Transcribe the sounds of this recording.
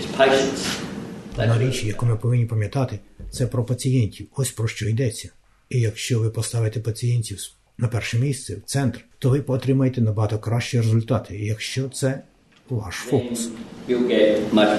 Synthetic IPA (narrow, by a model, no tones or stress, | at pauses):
ɪzpʰeɪʃns | nɐɾʲit͡ʃʲijɐkumɪpɔʋɪnʲːipɐmʲjɐt̪ɑt̪ɪt̪sɛpɾɔpɐt͡sʲijɛnʲtʲiwɔsʲpɾɔʃt͡ʃɔid̪ɛt͡sʲːɐ | ijɐkʃt͡ʃɔʋɪpɔst̪ɑʋɪt̪ɛpɐt͡sʲijɛnʲtʲiw | nɐpɛrʃɛmʲist̪sɛwt̪sɛnt̪rt̪ɔʋɪpɔt̪ɾʲɪmɐjet̪ɛnɐbɐɦɑt̪ɔkɾɑʃt͡ʃijiɾezʊlʲt̪ɑt̪ʰɪjɐkʃt͡ʃɔt̪sɛ | ʋɑ̰ʃfukʊsjuɡɛt̚maɪ